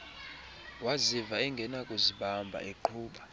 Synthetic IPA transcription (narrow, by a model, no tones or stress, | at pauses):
wazivaɛŋɡʱɛnakʼuziɓambʱa̰ʔeǃʰuːɓa